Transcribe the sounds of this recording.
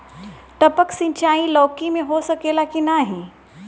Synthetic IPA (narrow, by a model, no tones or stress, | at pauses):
ʈ̪əpəksɪ̃ɲt͡ʃʰaːĩlɔːkimẽɦosɐkeːlakinaɦĩː